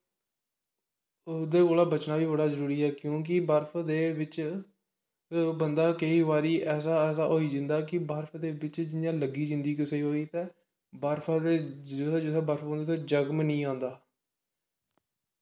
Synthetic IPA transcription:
od̪eːkoːlaːbət͡ʃnaːʋiːbəɽaːzəɾuːɾiːɛːkjõːk̬ɪbəɾpʰd̪eːbɪt͡ʃ | bənd̪aːkəiːʋaːɾiːʔɛːs̬aːɛːsa̰ːɦoːiːd͡ʒɪ̃nd̪aːkɪbəɾpʰd̪eːbɪt͡ʃd͡ʒɪnjãːləɡiːd͡ʒɪ̃nd̪iːkəseiːɦoːiːt̪ɛː | baːɾpʰaːd̪eːoɛːd͡ʒʊɛːbəɾpʰbõnd̪ot̪ẽːd͡ʒəɡmnĩːãːnd̪aː

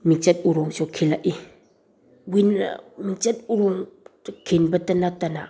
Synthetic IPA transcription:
miŋt͡ʃɛt̚uɾɔŋsɔkʰilaʔi | wina̰miŋt͡ʃat̚uɾɔŋkʰenbatanatana

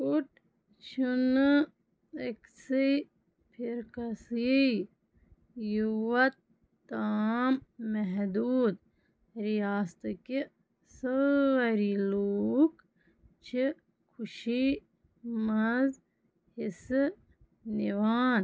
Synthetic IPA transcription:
kuʈ | t͡ʃʰun | eksij | pʰiɾkɐsi | juwɐt̪ː | aːmːɛɦd̪uːd̪ | ɾijaːst̪ɨki | səɐɾiloːk | t͡ʃʰi | kʰuʃi | mɐz | hisɨ | niʋaːn

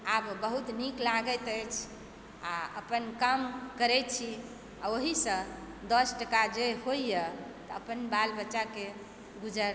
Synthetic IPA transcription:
abbəɦut̪niklaɡət̪əjt͡ʃʰ | aəpənkamkəɾɛt̪̚t͡ʃʰi | aoɦisə̃ | d̪əsʈəkad͡ʒehoijət̪əːpənbalbətːʃake | ɡud͡ʒəɾ

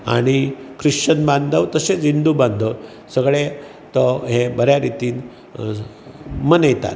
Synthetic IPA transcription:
a̰ɽ̃ikɾiʂt͡ɕənbãnd̪ʱəʋt̪əset͡sind̪ubãnd̪ʱəw | səɡɭe | t̪ɔɦebəɾjaɾit̪iːn | mənəjt̪a̰t̪

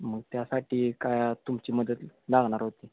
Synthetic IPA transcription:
məɡ̚t̪jasaʈʰiːkajt̪umt͡ɕiːməd̪ət̪laɡɳ̃aɾɦot̪i

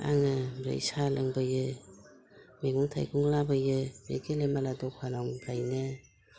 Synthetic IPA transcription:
a̰ŋɯmɾa̰isalaŋbɯjɯ | meŋuŋtʰa̰jɡuŋlabɯjɯbḛɡelemaladɔkʰwalɔŋbʰajnɯ

